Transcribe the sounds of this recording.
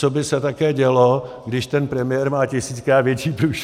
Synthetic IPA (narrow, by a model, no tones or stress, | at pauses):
t͡sobɪsɛt̪akɛːɟɛloɡdɪʃt̪ɛnpɾɛmɪjɛɾmaːcɪsiːt͡skɾaːt̪vjɛt͡ʃiːpɾuːʃ